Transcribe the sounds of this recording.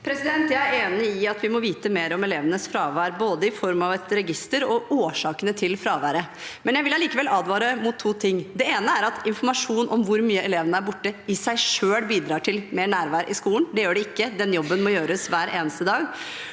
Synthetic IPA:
pʰɾɛsɪd̪ɛnt̪jæɪæɾeːnɪɪɑt̪ʋɪmɔʋiːt̪əmeːɾɔmɛleːʋənəsfɾɑːʋæːɾboːd̪əɪfɔɾmɑʋɛt̪ɾɛɡɪst̪əɾɔʔoːʂɑːkənət̪ʰɪlfɾɑːʋæːɾə | mɛnjæɪʋɪlːɑliːkəʋɛlɑːd̪ʋɑːɾəmʊt̪ʰːuːt̪ʰɪŋːd̪ɛeːnəæɾɑt̪ɪnfɔɾmɑʂuːnʔɔmʋʊɾmyːəɛleːʋənəæɾbʊʈːəɪsæɪʂøːlbiːd̪ɾɑːʈʰɪlmeːɳæːɾʋæːɾʔɪskuːənd̪ɛjøːɖɛɪkːəd̪ɛnjɔbːənmɔjøːɾəsʋæːɾʔeːnəst̪əd̪ɑːɡ

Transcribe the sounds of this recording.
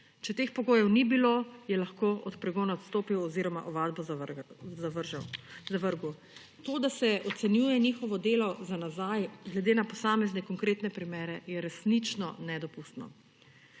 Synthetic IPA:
t͡ʃɛt̪eːxpɔɡoːjɛwnibilojɛlaxkoʔɔt̪pɾɛɡoːnaɔt̪st̪oːpiwɔziːɾɔma̰ʔɔʋad̪bɔ | zaʋəɾʒazaʋəɾɡu | t̪oːd̪asɛʔɔt̪sɛnjuːjɛnixɔʋɔd̪eːlɔzanazajɡlɛd̪eːnapɔsaːmɛznɛkɔŋkɾeːt̪nɛpɾimeːɾɛjɛɾɛsnit͡ʃnɔnɛd̪ɔpust̪nɔ̰

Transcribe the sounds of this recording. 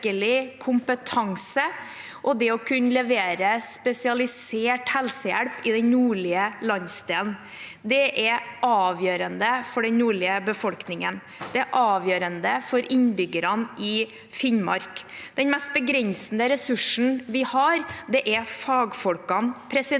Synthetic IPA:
kəɭɪkʰʊmpət̪ʰɑŋsə | ʔɔd̪ɛɔkʰʉnlɛʋeːɾəspɛsɪɑlɪseːʈhɛlsəjæ̰ɽpɪd̪ɛnnuːɭɪəlɑnst̪eːln | d̪ɛʔɛɾɑːʋjøːɾənd̪əfɔɖɛnnuːɭɪəbəfɔlknɪŋə̰n | d̪̥ɛʔɑːʋjøːɾənd̪əfɔɾʔɪɲbʏɡəɾɑnʔɪ | fɪnmɑ̰ɾkd̪̥ɛnmɛst̪̚bəɡɾɛnsənəɾɛsʉʂn̩ʋɪhɑɾd̪ɛʔɛfɑːɡfɔlkɑnpʰɾɛsɪ

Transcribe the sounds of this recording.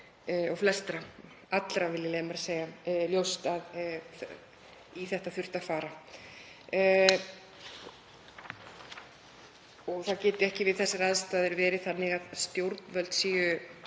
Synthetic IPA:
ɔwflɛst̪ɾa | at̪lɾavɪlːɪleːmɛɾseːjaljowst̪að | iθɛht̪aðθʏr̥t̪aðfaːɾa | ɔɣθaðcɛːt̪ɪɛhcɪvɪðθɛsːɪɾaðst̪aːðɪɾvɛːɾɪθanːɪɣaðst̪jowɾt̪nvœlt̪siːjʏ

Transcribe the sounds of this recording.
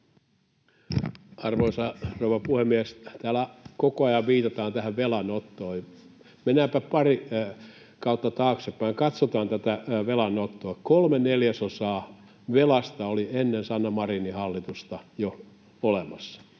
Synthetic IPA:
ɑrʋoisɑrouʋɑpuhemiæst̪æːlækokoɑjɑʋʋiːt̪ɑt̪ɑːnt̪æhæʋʋelɑnot̪ːoːj | menːˑæːmpæppɑri | kɑut̪ːɑt̪ɑːksepːæiŋkɑt̪sot̪ɑːnt̪æt̪æʋelɑnot̪ːoːkolmeneljæsosɑː | ʋelɑst̪ɑolienːensɑnːɑmɑrinihɑlːit̪ust̪ɑjo | olemɑsːɑ̥

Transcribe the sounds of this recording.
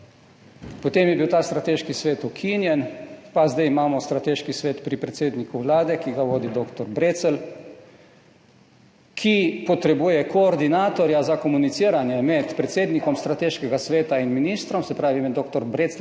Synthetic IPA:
pɔt̪eːmjɛbiwt̪aːst̪ɾat̪eːʃkisʋeːt̪ukʰinjɛnpazd̪ɛjimaːmɔst̪ɾat̪eːʃkisʋeːt̪pɾipɾɛt̪seːd̪nikuʋlaːd̪ɛkiɡaʋoːd̪id̪oːkt̪ɔɾbɾeːt̪səl | kʰipɔt̪ɾɛbujɛkɔːɾd̪inaːt̪ɔɾjazakɔmunit̪siːɾanjɛmɛt̪pɾɛt̪seːd̪nikɔmst̪ɾat̪eːʃkɛɡasʋeːt̪ainminist̪ɾɔmsɛpɾaːʋimɛd̪oːkt̪ɔɾbɾeːt̪s

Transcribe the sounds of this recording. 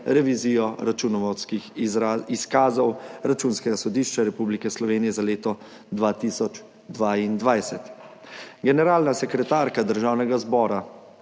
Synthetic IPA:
ɾɛʋiziːjɔɾat͡ʃunɔʋɔt̪skixiskaːzɔwɾat͡ʃuːnskɛɡasɔd̪iːʃt͡ʃaɾɛpublikɛslɔʋeːnijɛzaleːt̪ɔ | d̪ʋaːt̪isɔt͡ʃ | d̪ʋaːind̪ʋajsɛt̪ | ɡɛnɛɾaːlnasɛkɾɛt̪aːɾkad̪əɾʒaːwnɛɡazbɔːɾa

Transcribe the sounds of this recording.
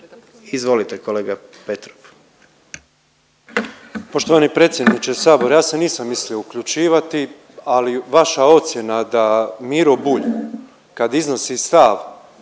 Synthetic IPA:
izʋolit̪ekoleːɡapet̪ɾop | po̞ʃt̪oʋaːnipɾe̞ːt̪sʲje̞d̪nit͡ʃesaːbo̞ɾjaːse̞niːsamːislioukʎut͡ʃiːʋat̪i | aliʋaʃao̞t̪sje̞nad̪amiːɾobuʎ | kad̪izno̞sist̪aʋ

